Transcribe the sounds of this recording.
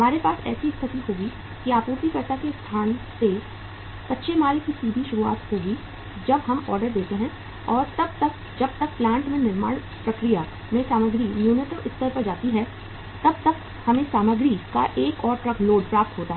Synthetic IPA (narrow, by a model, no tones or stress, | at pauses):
ɦɐmaːɾepaːsɛ̰ːsiɪst̪ʰət̪iɦoːɡi | kiaːpuːɾt̪ikɐɾt̪akest̪ʰaːnse | sɐtːʃʰemaːlkisiːbʱiʃʊɾua̰ːt̪hoːɡi | d͡ʒɐbɦɐmɔːɾɖəɾd̪eːt̪eɦɛ̃ | ɔːɾt̪ɐb̚t̪ɐk̚ | d͡ʒɐb̚t̪ɐk̚plãːɳʈmẽnɪɾma̰ːɽ | pɾɐkɾija | mẽsaːməɡɾimjuːnɪʈəʋɪst̪ʰəɾpɐɾd͡ʒaːt̪iɦɛ | t̪ɐb̚t̪ɐk | hɐmẽsaːməɡɾika̰ʔeːkɔːɾʈɾɐkʰloːɖpɾaːp̚t̪ɦoːt̪aɦɛ